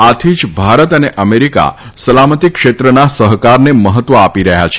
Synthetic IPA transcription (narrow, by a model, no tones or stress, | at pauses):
at̪ʰid͡ʒbʱaɾət̪əneʔəmeɾika̰ | səlamət̪ikʃet̪ɾənasəɦkaɾneməɦət̪ʋəapiɾəɦja̰t͡ʃʰe